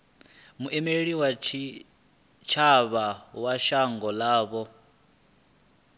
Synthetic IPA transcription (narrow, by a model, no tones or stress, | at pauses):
muʔɛmeɺiwat͡ʃʰi | t͡ʃʰaβawaʃaŋɡɔlaːβɔ